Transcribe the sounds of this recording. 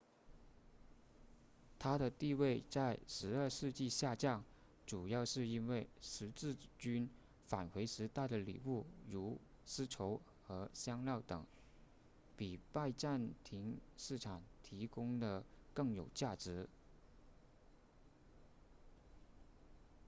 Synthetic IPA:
t̪ʰa˥ɾə˨t̪i˥˧we˥˧ɪt͡sa˥˩ɪʂɻ̩˧˥ə˞˥˧ʂɻ̩˥˧t͡ɕi˥˧ɕja˥˧t͡ɕjɑ˥˩ŋ | ʈ͡ʂu˨˩jɑ˥˧ʊʂɻ̩˥˩i˥nwe˥˩ɪʂɻ̩˧˥t͡sɻ̩˥˩t͡ɕy˥n | fa˨˩nxwe˧˥ɪʂɻ̩˧˥t̪a˥˩d̪ə˩lḭ˨˩u˥˩ɻu˧˥ | sɹ̩˥ʈ͡ʂʰo˧˥ʊ | xɤ˧˥ɕjɑ˥ŋljɑ˥˩ʊt̪ɤ˨˩˦ŋ | pi˨˩pa˥˧ɪʈ͡ʂa˥˧nt̪ʰi˧˥ŋʂɻ̩˥˩ʈ͡ʂʰa˨˩ŋt̪ʰi˧˥kʊ˥ŋd̪ə˨kɤ˥˩ŋjo˨˩ʊt͡ɕja˥˩ʈ͡ʂɻ̩˧˥

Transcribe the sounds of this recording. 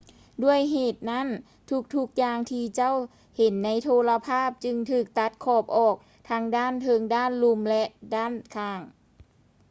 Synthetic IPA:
du˧˥˩əjɦeː˨˩t̪̚na˥˨n | t̪ʰu˧˥k̚t̪ʰu˦˧˥k̚jaː˧ŋt̪ʰiː˧t͡ɕa˥˩˨w | he˨˦nːa˧˥jt̪ʰoː˧la˧pʰaː˥˩p̚t͡ɕɯ˧ŋt̪ʰɯː˧˩k̚t̪a˧˥t̪̚kʰɔː˧˩p̚ʔɔː˨˩k̚ | t̪ʰa˧˥ŋdaː˥˩˨nt̪ʰɤ˧˥ŋdaː˥˨nlu˧˥mlɛ˧ʔdaː˥˩˨nkʰaː˧˩ŋ

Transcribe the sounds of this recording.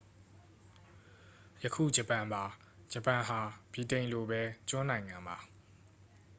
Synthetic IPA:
jə˨kʰṵ˦˨d͡ʑə˨pã˨mba˨ | d͡ʑə˨pã˨ɦa˨b̥i˨tẽ˨ɪ̃nlo˨bɛ˦t͡ɕʊ̃˦nã˨ɪ̃ŋã˨mba˨

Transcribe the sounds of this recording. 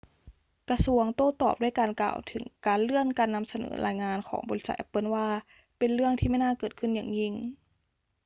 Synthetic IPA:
ka˧su˧əŋt̪oː˥˩t̪ɔ̰ː˨˩p̚du˥˩˨jkaː˧nka̰ː˨˩wt̪ʰɯ˩˦ŋkaː˧nlɯ˥˩əŋkaː˧nːa˧msa˧nɤ̰ː˩˦ɾa̰ː˧jŋaː˧nkʰɔ̰ː˩˦ŋbɔː˧li˦˥sa˧˩t̪ʔɛ˧pːɤː˧˥˨nwaː˧˥˩ | pe˨nɾɯ˥˩əŋt̪ʰiː˥˩ma˥˩jnaː˥˨kɤː˨˩t̪̚kʰɯ˥˩nja̰ː˨˩ŋɲi˧˥˩ŋ

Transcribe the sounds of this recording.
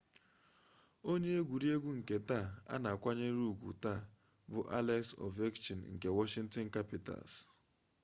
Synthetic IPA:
o˦ɲe˦e˦ɡʷu˨ɾi˦e˦ɡʷu˦ŋ̩˨ke˨ta˦˨a̰˦na˨kʷa˦ɲe˦ɾu˦˨ɡʷṵ˨ta˦˨ | bʊ˨˦ʔa˦le˦ksɔ̰˨ve˦kt͡ʃi˨nŋ̩˨ke˨wɔ˦ʃɪ˦ŋn̩˦tɔ˦ŋ̩˦ka˦pi˨ta̰˨s

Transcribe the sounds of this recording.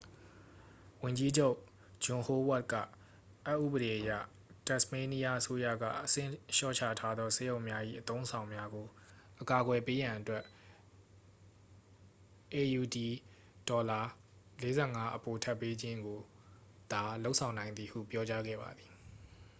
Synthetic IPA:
wʊ̃˨ɲd͡ʑi˦d͡ʑo˦ʊʔ | d͡ʑʊ̃˨ho˦wa˦˨t̚kä̰˦˨ | ʔa˦ʔːṵ˦˨bəɾe˨ʔəjä̰˦˨ | tɛ˦ʔsme˦ni˦ja˦ʔəso˦ja̰˦˨ɡa̰˦˨ʔəsɪ̰̃˦˨ʃɔ̰˦˨t͡ɕʰa̰˦˨tʰa˦d̪ɔ˦sɛ˦jõ˨ʊ̃mja˦ʔḭ˦˨ʔət̪õ˦ʊ̃sʰã˨ʊ̃mja˦ɡo˨ʔəka˨ɡwɛ˨pe˦jã˨ʔətwɛ˦ | ʔe˨ju˨di˨ | dɔ˨la˨ | le˦zɛ˦˨ŋa˦ʔəpo˨tʰa˦˨pːe˦d͡ʑɪ̃˦ŋɡo˨ | d̪̥a˨lo˦ʊʔsʰã˨ʊ̃nã˨ɪ̃nd̪ði˨hṵ˦˨pjɔ˦t͡ɕa˦ɡɛ̰˦˨ba̰˨d̪i˨

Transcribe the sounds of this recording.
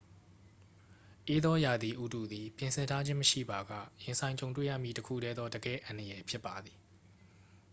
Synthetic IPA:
ʔe˦d̪ɔ˦ja˨d̪ði˨ʔu˦˨tu˨d̪i˨pjɪ̃˨nsʰɪ̃˨ntʰa˦d͡ʑɪ̃˦məʃḭ˦˨ba˨ɡä̰˦˨jɪ̃˨nsʰã˨ɪ̃ɲt͡ɕõ˨ʊ̃nt̬wḛ˦˨jä̰˦˨mḭ˦˨təkʰṵ˦˨ɾɛ˦d̪ðɔ˦də˨ɡɛ̰˦˨ʔã˨ndəjɛ˨pʰjɪ˦pːa˨d̪ði˨

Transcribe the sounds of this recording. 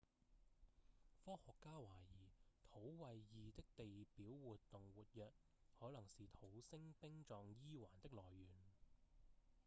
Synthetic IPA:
fɔː˥hɔː˨kːaː˥waː˨˩jiː˨˩t̪ʰo˨˥wwɐ˨jːiː˨t̪ɪ˥k̚t̪e˨jpiː˨˥wwuː˨t̪ːʊ˨ŋwuː˨t̚jœː˨t̚ | hɔː˨˥lɐ˨˩ŋsiː˨t̪ʰo˨˥wsɪ˥ŋpɪ˥ŋt͡ʃɔː˨ŋjiː˥waː˨˩nt̪ɪ˥k̚lɔː˨jːyː˨˩n

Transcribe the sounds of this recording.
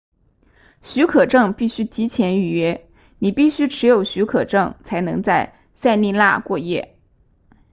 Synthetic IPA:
ɕy˧˥kʰɤ˨˩ʈ͡ʂɤ˥˧ŋpi˥˩ɕy˥t͡ɕi˧˥t͡ɕʰjɛ˧˥ny˨˩ɥɛ˧˥ | ni˨˩pi˥˩ɕy˥ʈ͡ʂʰɻ̩˧˥jo˨˩ʊɕy˧˥kʰɤ̰˨˩ʈ͡ʂɤ˥˩ŋt͡sʰa˧˥ɪnɤ˧˥ŋt͡sa˥˧ɪ | sa˥˧ɪni˥˧la̰˥˧kwɔ˥˧jɛ̰˥˩

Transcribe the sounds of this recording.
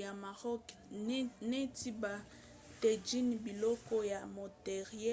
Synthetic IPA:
a˨ma˨ʁɔ˦k | ne˦ti˦ba˨ | te˨d͡ʒi˦nbi˨lɔ˦kɔ˦ja˨mo˨te˨ʁe˦

